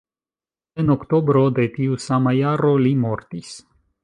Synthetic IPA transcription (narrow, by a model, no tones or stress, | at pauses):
enokt̪o̞bɾo̞d̪e̞t̪iusamajaɾo̞limoɾt̪is